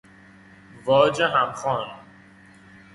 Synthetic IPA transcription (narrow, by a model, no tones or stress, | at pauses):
vɒːd͡ʒeɦæmχɒːn